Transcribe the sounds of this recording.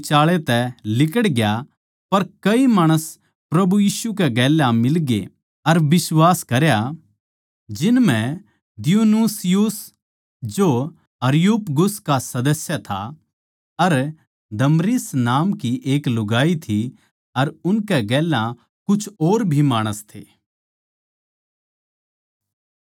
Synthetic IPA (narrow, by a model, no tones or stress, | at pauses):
t͡ʃaːɭet̪ɛlɪkəɽɡja | pɐɾkɐimaːɽ̃əs | pɾɐbujiːʃukɛɡɛːlãmɪlɡḛ | ɐɾbɪswaːskɐɾja | d͡ʒɪnmɛ̃ | d̪ɪjuːnuːsɪjus | d͡ʒo | ɐɾɪjuːpɡʊskasɐd̪əsjat̪ʰa̰ | ɐɾ | d̪ɐmɾɪsnaːmkiʔeːklʊɡaːit̪ʰi | ɐɾʊnkɛɡɛːlã | kʊt͡ʃʰoːɾbʱimaːɽ̃əst̪ʰḛː